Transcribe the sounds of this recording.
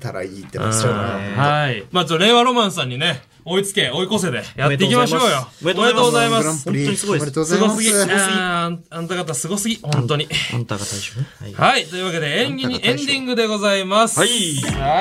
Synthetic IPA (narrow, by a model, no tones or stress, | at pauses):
t̪aɾa̰iːt̪ːohaimaːt͡ɕoːɾe̞ːβaɾomãɰ̃sãɲ̟ːine̞ | o̞it͡sɨ̥ke̞o̞iko̞s̬e̞d̪e̞jat̪ːe̞ik̬ʲimaɕo̞ːjoomɾet̪oɡozaimasõnoɲssɨɡo̞sɨɡʲi | ãnt̪aɡat̪asɨɡo̞sɨɡʲihõnt̪o̞ɲ̟ĩt̪t̪aohait̪ojɯ̟βake̞d̪eẽẽnd̪ʲĩŋɡɯ̟d̪e̞ɡo̞zaimasɨ̥